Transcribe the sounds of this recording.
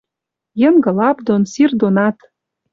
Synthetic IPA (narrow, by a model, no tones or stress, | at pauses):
jɤ̆ŋɡɤ̆lɑpd̪onsird̪onɑt̪